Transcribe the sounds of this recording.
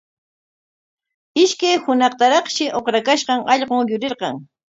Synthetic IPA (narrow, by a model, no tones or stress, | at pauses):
ɪʃkajhʊnɑχt̪aɾɑχʃɪʔoχɾakaʃɢɑŋʔɑʎɢoŋjʊɾɪɾɢɑ̰ŋ